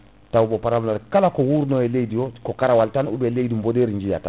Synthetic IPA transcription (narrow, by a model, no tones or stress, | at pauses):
tawubopaɾamlaɾkalakowuɾnojɛlejdijokokaɾawaltanṵbɛleidimbodeɾiɲd͡ʒija̰ta